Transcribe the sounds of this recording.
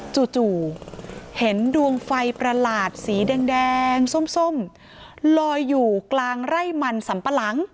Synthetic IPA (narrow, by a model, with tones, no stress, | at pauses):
t͡ɕu˨˩t͡ɕuː˨˩ | he˩˦ndu˧əŋfa˧jpɾa˧laː˨˩t̪̚siː˩˦dɛː˧ŋdɛː˧ŋso˨˧˥mso˧˥˩m | lɔː˧jːuː˨˩klaː˧ŋɾa˥˩jma˧nsa˩˦mpa˧la˦˥ŋ